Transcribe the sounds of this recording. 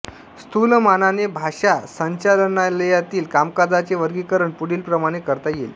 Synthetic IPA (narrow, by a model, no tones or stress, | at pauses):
st̪ʰulmananebʱaɕasəɲt͡ɕalnaləjat̪iːlkamkad͡zat͡seʋəɾɡikəɾəɳpuɽiːlpɾəmaɽ̃ekəɾt̪ajelː